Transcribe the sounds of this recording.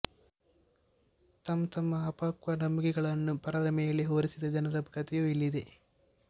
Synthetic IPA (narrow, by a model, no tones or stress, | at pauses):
t̪ɐmt̪ɐmːɐɐpaːkʋɐnɐmːuɡiɡɐɭɐnːupɐɾɐɾɐmɛjɐɭiɦoːɾisid̪ɐd͡ʒɐnɐɾɐbkɐt̪ɛjoilːid̪e